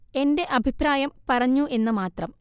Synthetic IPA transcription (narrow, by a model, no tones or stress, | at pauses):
e̞nde̞ʔɐbʱipɾaːjɐmpɐrɐɲːuʔe̞nːɨmaːt̪rɐm